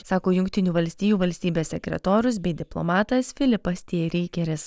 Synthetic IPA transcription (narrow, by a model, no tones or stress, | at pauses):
sɑːkoːjʊŋʲkʲt̪ʲɪnʲuːʋɐlʲsʲt̪ʲiːjuːʋɐlʲsʲt̪ʲiːbʲeːsʲsʲɛkʲɾʲɛ̰t̪oːɾʲʊs̬bʲɛɪd̪ʲɪplˠo̰mɑːt̪ɐsfʲɪlʲɪpɐsʲt̪ʲiɛɾʲiːkʲɛɾʲɪs